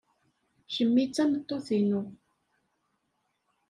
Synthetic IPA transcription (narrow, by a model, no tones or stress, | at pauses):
ʃəmːit͡sːænət̪ˤːoθinu